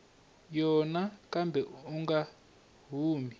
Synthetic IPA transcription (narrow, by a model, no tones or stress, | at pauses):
jɔnakʼambʱɛuŋɡa | ɦuːmi